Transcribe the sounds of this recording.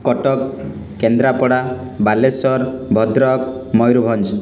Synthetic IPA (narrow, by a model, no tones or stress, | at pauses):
kɔʈɔkː | end̪ɾapɔɽa | balesɔɾbʱɔd̪ɾɔkmɔjɾubʱɔnd͡ʒ